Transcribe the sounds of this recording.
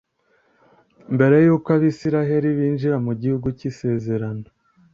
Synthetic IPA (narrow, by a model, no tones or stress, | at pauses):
mbe̞ɾe̞juːkaβisiɾaɦe̞ɾiβiːnʒiɾamuɟihuɡucise̞ːze̞ɾano